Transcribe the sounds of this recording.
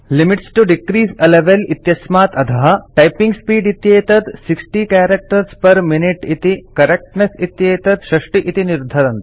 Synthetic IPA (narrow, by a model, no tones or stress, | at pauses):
limiʈsʈuɖikɾiːsɐleʋelit̪jɐsmaːt̪ɐd̪ʱʰɐɦɐʈɐjpĩŋɡspiːɖit̪jeːt̪ɐt̪siksʈikæːɾɐk̚ʈɐɾspɐɾminiʈit̪ikɐɾek̚ʈnesit̪jeːt̪ɐt̪ʃɾɐʂʈiʔit̪iniɾd̪ʱːɐɾɐnt̪